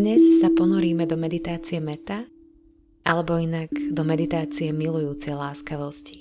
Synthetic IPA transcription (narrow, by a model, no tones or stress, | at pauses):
ɲɛsːapɔnɔɾiːmɛd̪ɔmɛd̪it̪aːt͡sijɛmɛt̪a | alɛbɔinaɡd̪ɔmɛd̪it̪aːt͡siɛmilujuːt͡sɛjlaːskaʋɔsci̥